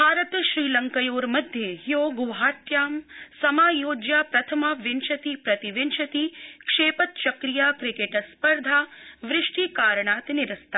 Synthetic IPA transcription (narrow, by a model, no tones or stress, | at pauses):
bʱaːɾət̪ʃɾiːlɐŋkəjoːɾmɐd̪ʱjeɦjoːɡuʋɦaːt̪jaːmsɐmaːjoːd͡ʒjaːpɾɐt̪ʰɐmɐʋɪnʃɐt̪ipɾɐt̪iʋɪnʃɐt̪ikʂeːpət̪ʃɐkɾijaːkɾɪkeʈspəɾd̪ʱaːʋɾɪʂʈikaːɾɳaːt̪nɪɾɐst̪a